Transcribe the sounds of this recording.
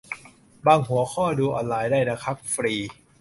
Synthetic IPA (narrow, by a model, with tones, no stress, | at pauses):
baː˧ŋɦu˨˩˦ɐkʰɔː˥˩duː˧ʔɔ̰ː˧˩nlaː˨˩jdaː˥˩jna˦˥kʰa˦˥p̚fɾiː˧